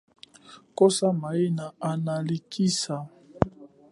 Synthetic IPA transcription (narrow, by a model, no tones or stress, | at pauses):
kosamaenaanalikisa